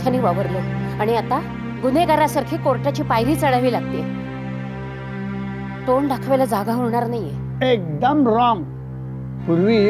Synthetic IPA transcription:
kʰaniːʋaʋəɾloaɽ̃iat̪a | ɡuneɡaɾasaɾkʰiːkoɾʈat͡ɕiːpajɾiːt͡səɽaʋiːlaɡ̚t̪i | t̪oɳɖakʰʋelad͡zaɡaɦoɾɳ̃aɾnaje | ek̚d̪əmɾɔŋɡ | puɾʋiː

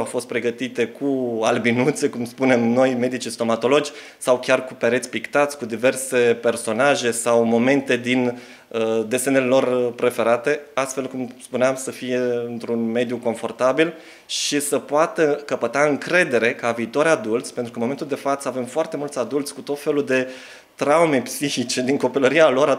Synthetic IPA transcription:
awfo̞st̪̚pɾe̞ɡət̪it̪e̞kʰualbinut̪se̞kumspune̞mno̞jme̞d̪it͡ʃist̪o̞mat̪o̞lo̞d͡ʒʲ | sawkʲarkupeɾet̪sʲpikt̪at̪sʲkud̪ive̞rse̞pe̞rso̞naʒe̞sawmo̞me̞nt̪e̞d̪in | əd̪e̞senelelo̞rpɾe̞fe̞ɾat̪e̞ast̪fe̞lkumspuneamsəfije̞ɨnt̪ɾunme̞d̪juko̞ɱfo̞rt̪abil | ʃisəpoat̪əkəpət̪aɨŋkɾe̞d̪e̞ɾe̞kəaviːt̪o̞ɾʲad̪ult̪sʲpe̞nt̪ɾukənmomet̪uld̪e̞fat̪səave̞mfoart̪e̞mult̪sʲad̪ult̪sʲkut̪o̞t̪fe̞luld̪e̞ | t̪ɾaume̞psiçit͡ʃe̞d̪iŋko̞piləɾialo̞ɾa

